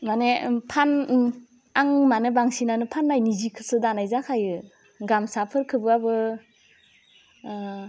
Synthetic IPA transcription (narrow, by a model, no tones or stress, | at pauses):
manepʰan | aŋmanɯbaŋsinanɯpʰanːajnizikʰɯ̥sɯdanajzakʰajɯ | ɡamsapʰɯɾkʰɯbɯabɯ